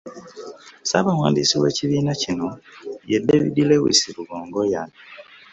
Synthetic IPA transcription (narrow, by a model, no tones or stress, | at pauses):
saβawaːndisiwe̞̰ːciβiːnacino̞jedeβḭdilewḭsiɾuɡoːŋɡojani